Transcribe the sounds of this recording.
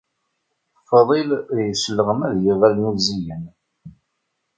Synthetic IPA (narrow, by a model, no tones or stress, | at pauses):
fðˤilðjəslːəʁəmæðjəvælnuzijən